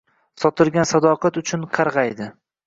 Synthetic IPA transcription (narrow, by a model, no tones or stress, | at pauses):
sɒt̪ʰɪɾɡʲansad̪ɒqʰɑt̪ʊt͡ʃʰʊnqʰɑɾʁɑjd̪ɪ